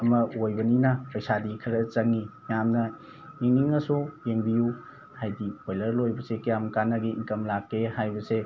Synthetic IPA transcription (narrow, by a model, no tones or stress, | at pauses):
ɐmɐojbɐninapɐjsadikʰɐɾɐt͡ʃɐŋːi | jamnɐ | eŋniŋɐsujeŋbiju | hajdiojlɐɾlojbɐsekɐjamkanɐɡiiŋkɐmlakːehajbɐse